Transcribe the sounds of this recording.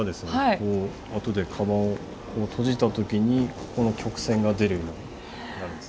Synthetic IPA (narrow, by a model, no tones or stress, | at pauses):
ad̪e̞sɨneakoː | at̪o̞d̪e̞kʰabã | ot̪ʰo̞ʑit̪at̪o̞kʲiɲ̟i | ko̞no̞kʲo̞kɯ̟̥sẽ̞ŋɡad̪e̞ɾɯ̟ioɲi | naɾɯ̃nd̪e̥